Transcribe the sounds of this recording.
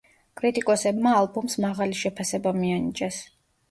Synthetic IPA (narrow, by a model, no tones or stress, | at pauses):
kʼɾit̪ʼikʼɔsɛbmaːlˠbumsmaʁaliʃɛpʰasɛbamianid͡ʒɛs